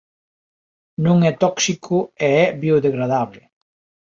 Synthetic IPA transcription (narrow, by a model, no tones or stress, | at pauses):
nũŋɛt̪ɔksikʰʊeɛβioðeɣɾaðaβlɪ